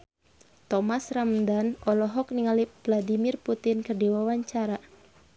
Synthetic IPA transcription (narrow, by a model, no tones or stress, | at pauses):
t̪ɔmasramdanɔlɔɦɔkniŋalivladimirput̪ɪnkɨrdiwawaɲt͡ʃaɾa